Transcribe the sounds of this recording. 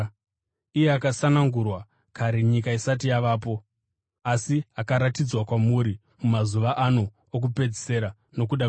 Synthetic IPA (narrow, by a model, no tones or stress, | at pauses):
ije̞akasanaŋɡurwa | kaɾeɲik̬aisat̬ijaʋaːp̬o̞ | asiakaɾatid͡zwakwamuɾi | mumazuʋaʔanu | ok̬upe̞d͡zise̞ɾa | no̞k̬uɗa